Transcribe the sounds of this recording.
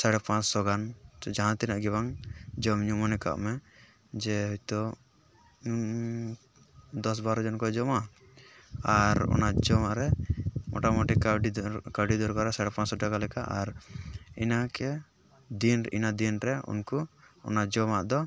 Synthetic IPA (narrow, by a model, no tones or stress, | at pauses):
saɽɛpãt͡ʃsɔɡant̪ɔd͡ʒaɦãt̪inaʔɡɛbaŋd͡ʒɔmɲumɔnɛka̰ʔmɛ | d͡ʒɛɦɔt̪ɔ | d̪ɔs̬baɾɔd͡ʒɔnkɔd͡ʒɔma | aɾɔ̰nad͡ʒɔmaʔɾɛmʔɔ̰ʈamɔʈikɖikaɖid̪ɔɾkɔɾɛsaɽɛpãt͡ʃsɔʈaɡalɛkaʔaɾḭnakɛ | d̪inḭnad̪inɾɛṵnkuɔ̰nad͡ʒɔmaʔd̪ɔ